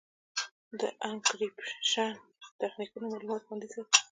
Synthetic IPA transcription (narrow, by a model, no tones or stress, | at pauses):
d̪əʔaŋkɾipʃan | t̪axnikunomɑlumɑt̪xwand̪iza